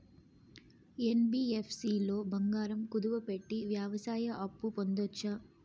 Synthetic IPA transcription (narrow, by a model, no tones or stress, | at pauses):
e̞nbiːepʰsiːlo̞ːbɐŋɡaːɾɐmkud̪uʋɐpe̞ʈːiʋjaːʋɐsaːjɐʔɐpːupond̪ot͡ʃːɐ